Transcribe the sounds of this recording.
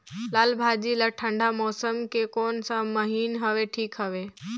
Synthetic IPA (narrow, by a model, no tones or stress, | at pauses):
laːlbʱaːd͡ʑilaːʈʰə̃ɳɖʱamɔːsəmkʰekɔːnsãmɐɦiːnɦɐʋeʈʰiːkɦəʋeː